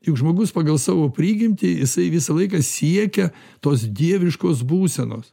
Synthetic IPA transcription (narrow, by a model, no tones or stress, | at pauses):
jʊkʒmoːɡʊspɑɡɐlˠsɑːʋoːpʲɾʲiːɡʲɪmʲt̪ʲɪjɪsɐɪʋʲɪsɐlˠɐɪkɐsʲiɛkʲɛ | t̪oːs̬d̪ʲiɛʋʲɪʃkoːs̬buːsʲɛno̰ːs